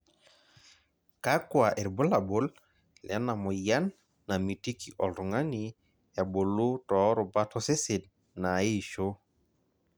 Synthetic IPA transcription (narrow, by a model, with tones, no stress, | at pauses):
ka˦kwa˨ʔɛ˨ɾbʊ˦la˨bo˦l | lɛ˦na˨mɔ˨ja˦nː | a˨mi˨ti˦ki˨ʔɔ˨ltɔ˨ŋa˦ni˨ | ja˨bo˨lu˦tɔ˨˦ɾɔ˨ba˦tɔ˦sɪ˦sɪ˨d̚ | na˨e˦˨ʃo˦